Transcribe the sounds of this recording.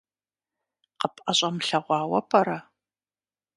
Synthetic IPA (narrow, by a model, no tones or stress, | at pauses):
qəpʼʔɐɕʼɐmɬɐʁʷɑːwɐpʰɐɾɐ